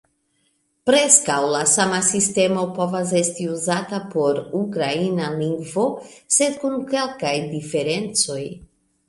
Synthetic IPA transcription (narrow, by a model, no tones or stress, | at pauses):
pɾe̞skawlasamasiste̞mo̞po̞vas̬e̞stiuzatapo̞ɾukɾainaliŋɡvo̞se̞d̪̚kuŋke̞lkajdife̞ɾe̞nt͡so̞j